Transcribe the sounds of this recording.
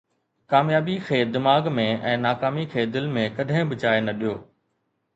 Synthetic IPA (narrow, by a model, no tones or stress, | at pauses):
kaːmjaːbikʰeːd̪ɪmaːɡmẽɛ̃ːnaːkaːmikʰeːd̪ɪlmẽkɐɗʱɪ̃bɪt͡ɕaːenɐɗijoː